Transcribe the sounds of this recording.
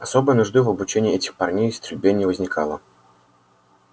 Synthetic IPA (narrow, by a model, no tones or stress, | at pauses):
ɐsobəjənʊʐd̪ɨvɐbʊt͡ɕenʲɪːɛtʲɪ̥xpɐrnʲejɪst̪ʲɾʲɪbʲenʲɪəvəzʲnʲɪkalˠə